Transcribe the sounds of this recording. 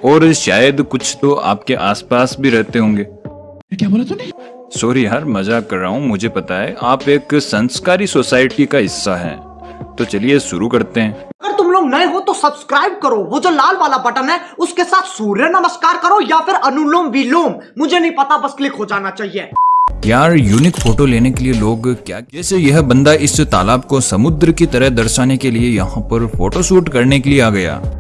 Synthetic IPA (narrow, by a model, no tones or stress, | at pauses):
ɔːɾʃaːjəd̪kʊt͡ʃʰt̪oa̰ːp̚keʔaːspaːsbʱiɾɛɦt̪eɦõːŋɡeː | kʲjaːboːlet̪onɐĩ | soːɾiɦɐɾmɐzakɐɾːaːɦũmʊd͡ʒʱepɐt̪aɦɛʔaːpeːksɐ̃nskaːɾisoːsaːɪʈikaɦɪsːaɦɛ̰ː | t̪ot͡ʃɐlieʃʊɾukɐɾt̪eɦɛ̃ːɐɡəɾt̪ʊmloːɡnɐẽɦot̪osɐbskɾaːɪb̚kɐɾoʋod͡ʒoːlaːlʋaːlabɐʈənɦɛʊskesaːt̪ʰsuːɾjənɐməskaːɾkɐɾojafʰɪɾɐnʊloːmʋiloːmmʊd͡ʒʱenɐɦĩpɐt̪abɐsklɪkɦod͡ʒaːnat͡ʃaːɦieːjaːɾjuːnɪkfoːʈoleːnekelieloːɡkja̰ːɛːsejɐɦbɐ̃nd̪aɪst̪a̰ːlaːb̚kosɐmʊd̪ɾkit̪ɐɾəɦd̪ɐɾʃaːnekeliejɐɦãpɐɾfoːʈoʃuːʈkɐɾnekelieaːɡɐja̰ː